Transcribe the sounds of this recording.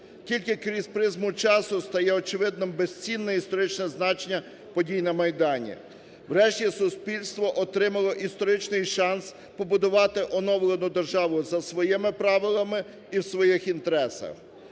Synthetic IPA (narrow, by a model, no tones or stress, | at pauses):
kʲilʲkɪkɾʲizpɾɪzmʊt͡ʃɑsʊst̪ɐjɛɔt͡ʃɪʋɪd̪̚nɔmbest͡sʲinːɛist̪ɔɾɪt͡ʃnɛznɑt͡ʃenʲːɐ | pɔdʲijnɐmɐjd̪ɑnʲḭ | wɾɛʃtʲisʊspʲilʲst̪ʋɔʔɔt̪ɾɪmɐlˠɔʔist̪ɔɾɪt͡ʃnɪjʃɑns | pɔbʊd̪ʊʋɑt̪ɪʔɔnɔʋlˠenʊd̪erʒɑʋʊzɐsʋɔjɪmɪpɾɑʋɪlˠɐmɪ | iwsʋɔjixint̪eɾɛsɐ̰x